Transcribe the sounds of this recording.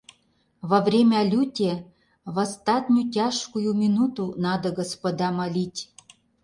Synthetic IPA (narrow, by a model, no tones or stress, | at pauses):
vəvrʲemʲɑlʲut̪ʲe | βə̆st̪ɑt̪ʲnʲutʲɑʃkujumʲinut̪unɑd̪ə̆ɡospod̪ɑmalʲit̪ʲ